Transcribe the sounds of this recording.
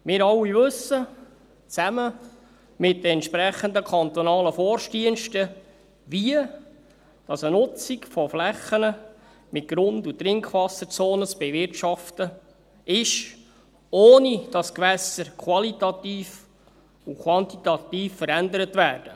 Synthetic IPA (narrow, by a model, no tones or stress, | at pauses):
mɪːɾɑlːivɵsə | t͡sæmə | mɪt̚dəɛnt̪ʃpɾɛχənd̪əkʰɑnt̪ɔnɑːləfɔɾʃtiənʃtə | viə | d̥ɑsənʊt͡sikfɔflɛχːənə | mɪt̚ɡ̥ɾʊnd̪ut̪ɾɪŋkʰʋɑsət͡soːnət͡sb̥ɛvɪrtʃɑftə | ɪʃ | oːnid̥ɑskʋɛsəɾkʰwɑlitɑt̪iːf | ukʰwɑnt̪it̪ɑt̪iːfːəɾænd̪əɾət̪væːrd̥ə